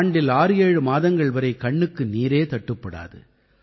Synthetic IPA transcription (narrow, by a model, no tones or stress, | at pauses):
ɳɖɪlaːɾɯjeːɻɯmaːðɐŋɡɐɭʋɐɾɐɪkɐɳːɯkːɯniːɾeːt̪ɐʈːɯpːɐɽa̰ːðɯ̰